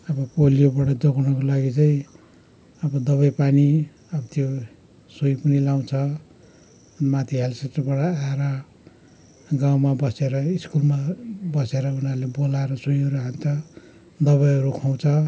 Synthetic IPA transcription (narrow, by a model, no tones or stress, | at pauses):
ʌbʌpolijobʌɽʌd͡zʌɡunakolaɡit͡saĩ | ʌbʌd̪ʌβʌjpani | ʌbʌt̪jo | soipʌnilaw̃t͡sʰʌ | mat̪ʰiɦelseʈʌrbʌɽʌaeɾʌ | ɡaw̃mabʌseɾʌiskulmabʌseɾʌunalebolaeɾʌsujʌɾuɦant͡sʰʌ | d̪ʌβʌjɦʌɾukʰaw̃t͡sʰʌ